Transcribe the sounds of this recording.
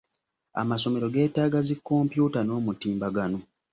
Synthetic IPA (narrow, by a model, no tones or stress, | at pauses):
a̰maso̞me̞ɾo̞ɡe̞ːtaːɡazikːo̞ːmpjuːtano̞ːmutiːmbaɡano̞